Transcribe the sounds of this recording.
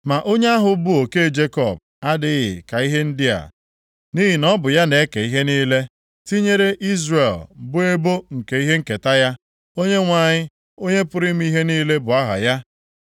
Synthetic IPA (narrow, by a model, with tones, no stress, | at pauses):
ma˨ʔo˦ɲe˦a˦ɦʊ˨bʊ˦o˨ke˦˨d͡ʒe˦kɔ˦˨b̚ | a˦dɪ˦ɣɪ̰˨ka˨i˦ɦe˦n̩˦dɪ˦a̰˨ | ni˦ɦi˨nɔ˦bʊ˨ja˦ne˨e˦ke˨i˦ɦe˦niː˦le˦ | ti˦ɲe˦ɾe˦ʔi˦zre˨lbʊ˦e˦bo˦ŋ̩˨ke˨i˦ɦe˦ŋ̩˦ke˨ta˦ja˦ | o˦ɲe˦ŋʷa˨ɲɪ˦ | o˦ɲe˦pʊ˦ɾɪ˦m̩˦i˦ɦe˦niː˦le˦bʊ˨a˦ɦa̰˨ja˦